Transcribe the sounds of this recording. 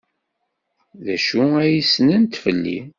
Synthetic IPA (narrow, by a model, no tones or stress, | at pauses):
ðæʃuæjisnənt̪fəlːḭ